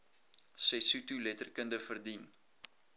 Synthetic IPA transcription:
sɛjsutulɛtərkəndəfərdin

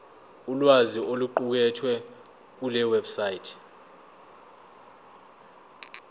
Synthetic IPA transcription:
ulwaziʔoluǃuk̬ɛtʰwɛ | k̬ulɛwɛbsaitʰ

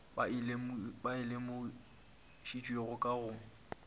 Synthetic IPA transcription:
ɪlembaɪlemʊ | ʃit͡ʃʼweɣʊkʼaɣʊ

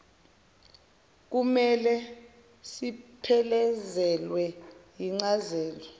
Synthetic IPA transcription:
k̬umɛlɛ | sipʰɛlɛzɛlwɛjiŋ͡ǀazɛːlɔ

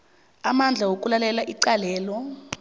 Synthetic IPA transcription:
amand͡ɮʱawokʼulalɛlaʔiǀalɛːlɔ

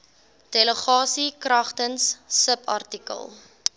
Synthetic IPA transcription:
d̥eləχɑːsikrɐχtənsːəpɐ̰rtikə̰lˠ

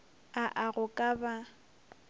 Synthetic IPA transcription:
aʔaɣʊkʼaba

